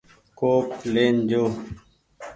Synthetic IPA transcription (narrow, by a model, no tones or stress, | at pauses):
koːkleːnd͡ʑoː